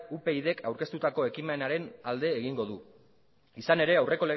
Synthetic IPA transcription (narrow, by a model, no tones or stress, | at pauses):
upe̞iðe̞kʰawɾke̞st̪ut̪ako̞e̞kime̞naɾe̞nald̪e̞ːɣiŋɡo̞ð̞u | isane̞ɾe̞awrʔe̞ko̞le̞ɣ